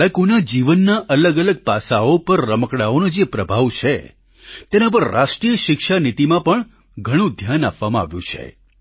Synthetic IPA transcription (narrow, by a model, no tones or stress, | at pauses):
əkunad͡ʒiʋənːaʔələɡələɡ̚pasaopəɾːəməkɽaonod͡ʒepɾəbʱaʋt͡ʃʰe | t̪enap̬əɾːa̰ʃʈɾijəʃɪkʃanit̪imãpəɳ | ɡʱəɽ̃ũd̪ʱjanapʋamãa̰ʋjṵ̃t͡ʃʰḛ